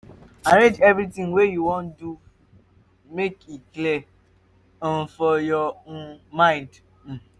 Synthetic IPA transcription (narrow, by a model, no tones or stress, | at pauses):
aɾed͡ʒɛvɾitĩŋwejuwõndu | mekikle | ɔ̃n̩fɔjɔonmãɪ̃nd | m̩